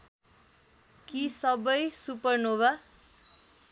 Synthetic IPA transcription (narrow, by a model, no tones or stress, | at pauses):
kisʌbʌjsupʌrnoba